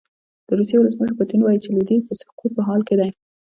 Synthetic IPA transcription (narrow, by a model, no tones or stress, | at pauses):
d̪̥əɾusjewʊləsməʃəɾpʊt̪inwɑjit͡ʃelid̪ezd̪əsʊ̥qut̪̚pəɦɑlked̪aj